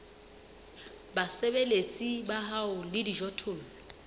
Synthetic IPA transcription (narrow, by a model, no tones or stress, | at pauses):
basɛbelet͡sʼibaɦaʊlɪdiʒɔtʰʊːlɔ